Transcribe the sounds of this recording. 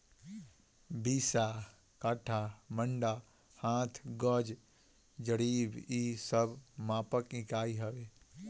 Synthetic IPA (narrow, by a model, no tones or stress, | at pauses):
biːsa | kaʈʰaməɳɖa | hãːt̪ʰɡɔd͡ʒ | d͡ʒəɽiːbisəbmãːpəkɪkaːiɦəʋeː